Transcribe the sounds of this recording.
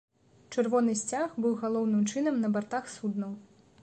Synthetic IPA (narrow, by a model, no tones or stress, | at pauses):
t͡ʂɨrvɔnɨsʲt͡sʲaxbɨwɣalˠɔwnɨmt͡ʂɨnɐmnɐbart̪axsud̪nɐw